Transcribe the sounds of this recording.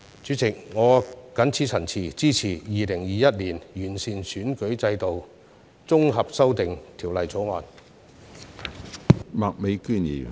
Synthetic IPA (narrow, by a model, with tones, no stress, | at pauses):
t͡ʃyː˨˥t͡sɪ˨k̚ŋɔː˨˧kɐ˨˥nt͡sʰiː˨˥t͡sʰɐ˨˩nt͡sʰiː˨˩t͡siː˥t͡sʰiː˨˩jiː˨˧lɪ˨˩ŋjiː˨jɐ˥t̚liː˨˩njyː˨˩nsiː˨nsyː˨˥nkɵ˨˥ɥt͡sɐ˧jt̪o˨w | t͡sʊ˥ŋɦɐ˨p̚sɐ˥wt̪ɪ˨ŋt̪ʰi˨˩wlɐ˨jt͡sʰɔː˨˥ŋaː˨˩n | maː˨k̚me˨˧jkyː˥˩njḭː˨˩